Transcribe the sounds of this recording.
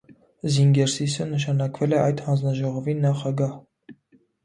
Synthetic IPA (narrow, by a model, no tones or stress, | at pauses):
ziŋɡɛɾsisənəʃ̬ɑnɑkvɛlɛʔɑjd̪hɑnd͡znɑʒɔʁɔvinɑχɑɡɑh